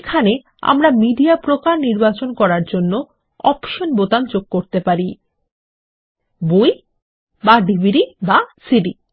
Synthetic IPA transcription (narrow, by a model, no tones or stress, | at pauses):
kʰane | a̰mɾamiɖiapɾokaɾniɾbat͡ɕonkɔɾaɾd͡ʑonːo | ɔpʃonbot̪amd͡ʑoɡ̚koɾt̪epaɾi | boj | baɖibʱiɖibasiɖi